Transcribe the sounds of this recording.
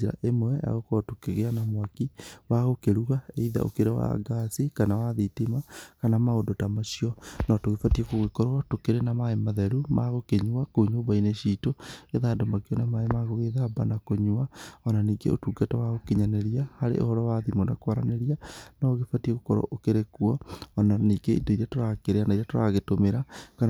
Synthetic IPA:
iɾa̰ʔemwɛa̰ɣokɔɾɔtokeɣeanamwakiwaɣokeɾuɣaeiða̰ʔo̰keɾawa̰ɡasikanawaðitimakanamaodotamaʃiɔnɔtoɣefatiekoɣekɔɾɔatokeɾenamaemaðɛɾuma̰ɣokeɲuakoɲoβaineʃitoeðaːdomakeɔnɛmaemaɣoɣeðabanakoɲuaɔnaniːɡḛo̰tuːɡatawaɣokeɲaneɾijahaɾḛʔo̰hɔɾɔwaðimonakwaɾaneɾianaɣefatieɣokɔɾɔ̰ʔokeɾekuɔːnaniːɡeḭdoiɾiatoɾakeɾeanaiɾatoɾaɣetomeɾaka

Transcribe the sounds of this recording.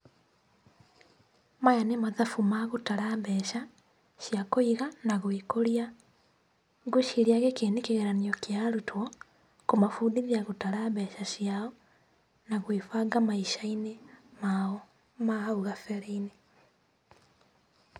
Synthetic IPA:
majanemaðafumaɣutaɾambɛʃa | ʃjakoiɣanaɣwikoɾia | ɣuʃiɾiaɣekeːnekeɣeɾaniɔkjaɾutwɔ | komafudiðiaɣutaɾambɛʃaʃjaɔ | naɣwefaɡamaiʃainema | maauɣafeɾeine

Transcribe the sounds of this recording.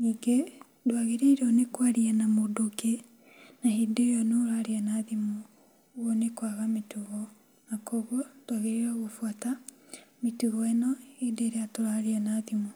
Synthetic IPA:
niːɡe | dwaɣeɾeiɾɔnekwaɾianamodoke | nahideːjɔneɾaɾianaðimu | ɣɔnekwaɣametuɣɔ | nakɔɣwɔd̥waɣeɾeɾaɣofwatametuɣɔɛnɔhideɾeatoɾaɾianaðimu

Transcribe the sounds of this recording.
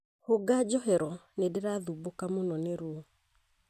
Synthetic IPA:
hoɡad͡ʒɔɦɛɾɔnedeɾaðubokamonɔneɾuo

